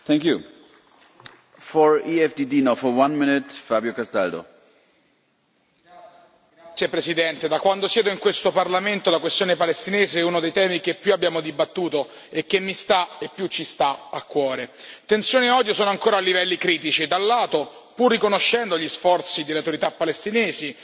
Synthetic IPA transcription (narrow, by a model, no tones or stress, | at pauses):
θɛ̃ŋkju | fɔɹiɛfdidinofɔwãnmɪnɪtfabjokast̪a̰ld̪o̰ | sːjepɾesid̪ɛnt̪ed̪akwand̪osjɛːd̪oiŋkwest̪oparlament̪olakwest̪joːnepalest̪ineːzeɛunod̪ejt̪ɛːmikepːjuabːjaːmod̪ibat̪ːuːt̪o | ekːemːist̪aepːjut͡ʃːist̪aakːwɔːɾet̪ensjoːneɔːd̪josoːnoaŋkoːɾalːivɛlːikɾiːt̪̬it͡ʃid̪alːaːt̪o | purːikonoʃːɛnd̪oʎisfɔrt̪sid̪elːeawt̪oɾit̪apːalest̪ineːzi